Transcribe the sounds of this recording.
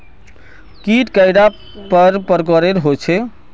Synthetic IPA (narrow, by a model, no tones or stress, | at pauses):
kiʈkəjɖa | pəɾpəɾkəɾeɾɦot͡ʃʰe